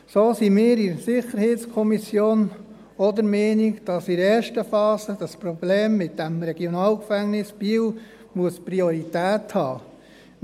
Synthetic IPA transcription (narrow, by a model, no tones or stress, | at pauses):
soːsimɪːɾisɪχəɾheːtt͡skʰɔmisjoːn | ɔd̪əɾmɛːnikd̥ɑsiɾɛːɾʃtəfɑːsəd̥ɑspɾɔb̥leːmːɪtd̥ɛmɾɛɡ̥jonɑːlkfæŋnɪsb̥iːw | muəspɾioɾitæːthɑː